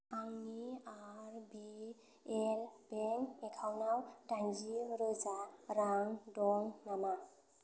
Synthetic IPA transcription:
aŋniaɾbi | elbenekʰawnawdaɲd͡ʒiɾɯzaɾaŋdɔŋnama

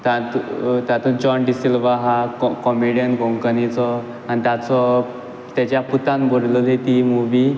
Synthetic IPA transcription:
t̪at̪ut̪at̪uːnt͡ɕɔnɖisilʋaɦakkɔmiɽijənɡʱɔ̃ŋkənit͡sɔ | anit̪at͡sɔ | t̪jat͡ɕjaput̪ãnbɔɾlɔd̪et̪imuʋi

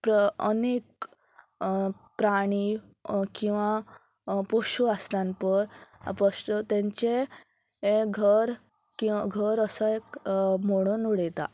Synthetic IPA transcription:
pɾə̰nek | pɾaɽ̃i | kĩw̃ʋa | pɔɕuast̪ãnpəɾ̰pəʂt̪t̪ẽɲt͡ɕe | eɡʱəɾ | kĩɡʱəɾəsəekmoɽ̃onuɽɛt̪a̰

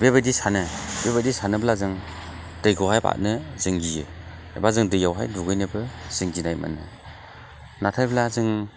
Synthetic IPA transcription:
bebɯdisanɯbebadisanɯblazɯŋ | d̥ɯjɡawɦajba̰t̚nɯzɯŋɡijɯ | ḛbazɯŋdɯjawɦa̰jduɡɯjnɯbɯz̥ɯŋɡinajma̰nɯ̰ | natʰajblazɯŋ

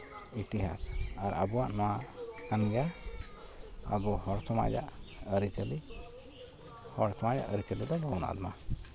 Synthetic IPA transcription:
it̪iɦa̰saɾə̰buwaʔnɔwaʔkanɡa | a̰ɡɔhɔɽsɔma̰d͡ʒa̰ʔəɾit͡ʃəli | hɔɽsɔmaja̰ʔəɾit͡ʃəlid̪ɔlɔwna̰ʔd̪ɔma

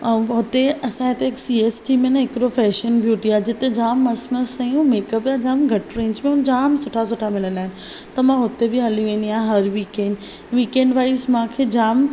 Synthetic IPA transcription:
ɦʊt̪eɐsãɦet̪eːksiːeːskimẽnãɪkɾofɛːʃənbʱjuːʈiaːd͡ʑɪt̪ed͡ʑaːmːɐsməsɐjũmeːkəpjad͡ʑaːmɡʱɐʈɾẽːɲd͡ʑmẽʊnd͡ʑaːmsʊʈʰas̬ʊʈʰamɪlənaːɦɪnɪ̆t̪ɐmãɦʊt̪ebɪɦɐliʋẽːnd̪iãːɦɐɾʋiːkẽːɳɖ | ʋiːkẽːɳɖʋaːismãːkʰed͡ʑaːm

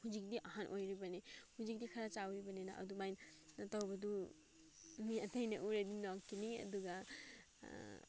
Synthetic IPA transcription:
hud͡ʒik̚diʔaɦanʔojɾibanehud͡ʒik̚dikʰaɾat͡ʃawɾibɐnena̰ʔɐ̰dumajnnatawbɐdu | miatajnaʔuɾedinɔkːiniɐ̰duɡa

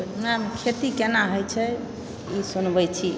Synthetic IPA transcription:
namekʰet̪ikenaɦojt͡ʃʰɛ | isunbɛt͡ʃʰi

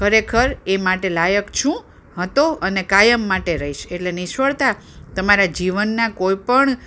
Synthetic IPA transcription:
kʰəɾekʰəɾemaʈelajəkt͡ʃʰũ | ɦət̪oʔənekajəmːaʈeɾəiʃeʈleniʃʋəɭt̪a | t̪əmaɾad͡ʒiʋənːakoipəɳ

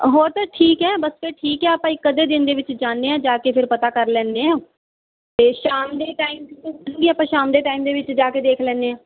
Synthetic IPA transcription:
ɦoːɾt̪ãːʈʰiːkɦɛːbəspʰɪɾʈʰiːkɦɛːaːpãːikəd̪eːd̪ɪnd̪eːʋɪt͡ʃd͡ʒaːndeːãːd͡ʒaːkeːpʰɪɾpət̪aːkəɾlɛ̃ːnd̪eãː | t̪eːʃaːmd̪eːʈaːimuɡiːaːpãːʃaːmd̪eːʈaːimd̪eːʋɪt͡ʃd͡ʒaːked̪eːkʰlɛ̃ːnd̪eːãː

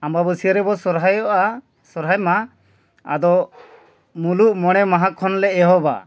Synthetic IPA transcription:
ambabəsiəɾɛbɔsɔɾɦajɔʔa | sɔɾɦajma | a̰d̪ɔ | muluʔmɔɽ̃ɛmaɦakʰːɔnlɛɛɦɔba̰

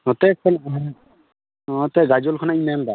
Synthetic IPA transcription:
ɦɔt̪ɛkʰːɔnɦ | ɔt̪ɛɡad͡ʒɔlkʰɔnainand̪a

